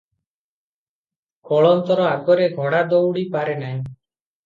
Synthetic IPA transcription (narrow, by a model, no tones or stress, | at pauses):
kɔɭɔnt̪ɔɾɔaɡɔɾeɡʱɔɽad̪owɽipaɾenaj̃